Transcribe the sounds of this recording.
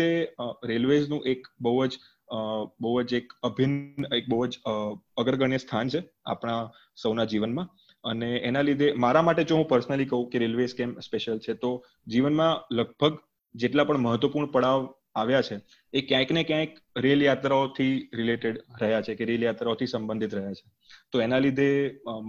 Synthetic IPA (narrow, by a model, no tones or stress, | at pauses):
eɾelʋesnũʔekbəɦud͡ʒ | bəɦuəd͡ʒekəbʱinek̚bəɦd͡ʒ | əɡəɾɡəɳjəst̪ʰant͡ʃʰe | a̰pɽ̃a | səwnad͡ʒiʋənmã | əneenalid̪ʱemaɾamaʈed͡ʒoɦũpəɾsənəlikəɦũkeɾelʋeskemspeʃəlt͡ʃʰet̪o | d͡ʒiʋənmãləɡ̚bʱəɡ | d͡ʒeʈlapəɳməɦət̪ʋəpuɾɳəpəɽaʋ | aʋjat͡ʃʰeː | kjãknekjãjk | ɾeljat̪ɾaot̪ʰiɾileʈeɽɾəɦjat͡ʃʰekeɾeljat̪ɾaot̪ʰisəmbə̃nd̪ʱit̪ɾəɦjat͡ʃʰe̥ | t̪oenalid̪ʱe